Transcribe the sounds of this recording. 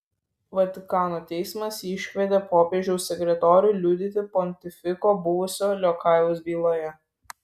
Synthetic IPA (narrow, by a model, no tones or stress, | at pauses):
ʋɐt̪ʲɪkɑːnoːt̪ʲɛɪsmɐsɪʃʲʋʲɛd̪ʲepoːpʲeːʒd͡ʒʲɛʊsʲɛkʲɾʲɛt̪ɔːɾʲʊjlʲuːd̪ʲɪt̪ʲɪpɔnʲt̪ʲɪfʲɪkoːbʊʋʊsʲoːlʲɔkɑˑɪʋʊsbʲiːlˠoːjɛ